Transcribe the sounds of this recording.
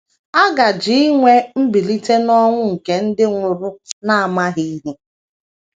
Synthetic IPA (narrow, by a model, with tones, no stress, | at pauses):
a˦ɡa˨d͡ʒi˦i˦ŋʷe˦m̩˦bi˨li˦te˦nɔ˦ŋʷʊ˦ŋ̩˨ke˨n̩˦dɪ˦ŋʷʊ˨ɾʊ˦na˦a˨ma˦ɦi˦ɦe˦